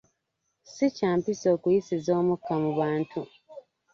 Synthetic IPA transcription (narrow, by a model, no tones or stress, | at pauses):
sicaːmpiso̞ːkujisizo̞ːmukːamuβaːntʰu